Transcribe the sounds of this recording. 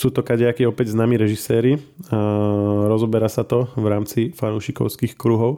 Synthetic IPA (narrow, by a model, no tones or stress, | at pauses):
suːt̪ɔkaɟɪakiɔpɛɟznaːmiɾɛʒisɛːɾi | ɾɔzɔbɛɾasat̪ɔʋɾaːmt͡sifanuʃikɔ̰ʊskixkɾuɦɔʊ